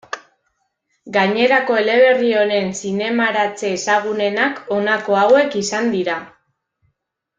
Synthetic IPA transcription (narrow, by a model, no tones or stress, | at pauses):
ɡaɲe̞ɾako̞e̞le̞β̞e̞rio̞ɾe̞nsine̞maɾat͡se̞ːsaɣ̞une̞nako̞nako̞awe̞kisand̪iɾa